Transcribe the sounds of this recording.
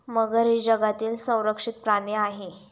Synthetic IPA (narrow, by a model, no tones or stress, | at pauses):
məɡəɾid͡ʑəɡat̪iːlsə̃w̃ɾəkʂit̪̚pɾaɳeaɦe